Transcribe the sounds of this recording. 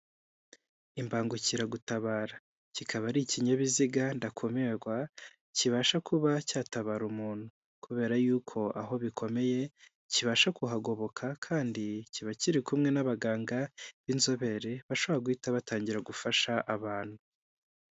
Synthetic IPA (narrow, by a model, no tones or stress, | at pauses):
imbaːŋɡuciɾaɡutaβaːɾa | cikʰaβaɾiciɲaβiziɡandakʰo̞me̞ɾɡwa | ciβaːʃakʰuβacaːtaβaːɾumuːn̥hu | kuβe̞ːɾajuːkʰo̞ʔaɦo̞βikʰo̞me̞je̞ | ciβaʃakuɦaɡo̞βo̞kʰakʰaːndiciβaciɾikumŋenaβaɡaːŋɡaβinzo̞βe̞ɾe̞βaʃoβɾaɡwiːtaβataːɲɟiɾaɡufaʃaʔaβaːn̥hu